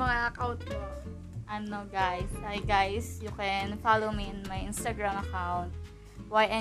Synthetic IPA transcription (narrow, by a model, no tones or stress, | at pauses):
ɐŋaʔɐkawnt̪̚po | ʔɐnoɡajsʔajɡajsjʊkɛnfalowmiɪ̃nmɐjɪnst̪ɐɡɹamɐkawnt̪̚ | wajʔɛ